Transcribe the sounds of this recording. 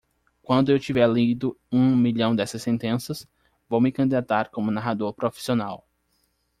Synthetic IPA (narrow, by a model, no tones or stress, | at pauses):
kwɐ̃nd̪ʊewt͡ʃivɛɾlid̪ʊ | ũmiʎɐ̃w̃d̪ɛsɐsːẽnt̪ẽsɐs | vowmɪkɐ̃nd̪id̪at̪aɾkõmʊnaɦad̪oɾpɾofi̥sionaw